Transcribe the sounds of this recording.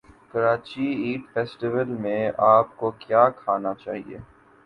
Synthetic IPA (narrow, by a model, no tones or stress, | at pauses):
kɐɾaːt͡ʃiiːʈfɛːsʈɪʋəlmẽaːp̚kokjaːkʰaːnat͡ʃa̰ːɦḭḛː